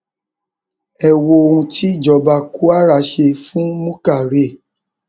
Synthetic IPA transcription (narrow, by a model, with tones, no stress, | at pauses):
ɛ˦˨wo˧o˧ũ˧tʰi˦˨d͡ʒɔ˨ba˧ku˦a˦˨ɾa˨˧ʃe˧fũ˦mũ˦ka˦˨ɾe˦˨